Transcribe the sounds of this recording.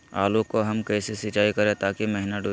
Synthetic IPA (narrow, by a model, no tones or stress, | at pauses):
aːlokoɦɐmkɛːsesɪt͡ʃaːikɐɾẽt̪aːkimɛɦnəʈo